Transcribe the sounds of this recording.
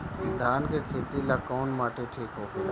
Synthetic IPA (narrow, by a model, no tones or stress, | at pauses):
d̪ʱaːnkeːkʰeːt̪iːlaːkoːnmaːʈʰeːʈʰiːkɦoː